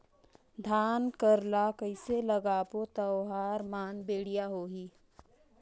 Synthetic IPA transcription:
d̪ʱaːnkəɾlakəɪseləɡaːpot̪ɐwɦaːɾmaːnbeːɽijaɦoːɦiː

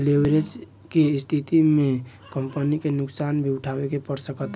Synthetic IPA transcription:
libɾed͡ʒ | kest̪ʰit̪ime | kəmpənikenʊksanbʱiʊʈʰabekepəɾsəkət̪

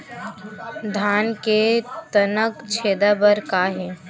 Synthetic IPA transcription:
d̪ʱaːnket̪ɐnəkt͡ʃʰeːd̪abəɾkaːɦeː

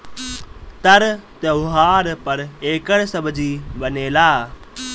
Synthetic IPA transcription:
t̪ɐɾt̪eʊɦaːɾpəɾeːkəɽsəbd͡ʒiːbəneːlaː

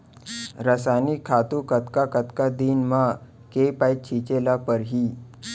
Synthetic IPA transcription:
ɾəsaniːkʰat̪ukət̪kakət̪kad̪iːnma | kepajt̪̚t͡ɕʰit͡ɕelapəɾɦiː

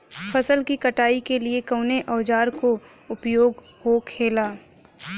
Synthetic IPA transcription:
fʰɐsəlkikɐʈaːikeliekɐʊneʔɔːd͡ʒaːɾko | ʊpjoːɡ | hoːkʰeːlaː

